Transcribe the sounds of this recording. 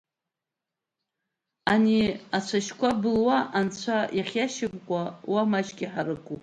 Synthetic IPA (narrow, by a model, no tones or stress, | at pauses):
aniat͡ɕʷʰaʃkʷabɨlwaʔant͡ɕʷʰajaχʲjaʃɪbʼkʷʼawamat͡ʃkʲʼiħaɾɨkʷʼu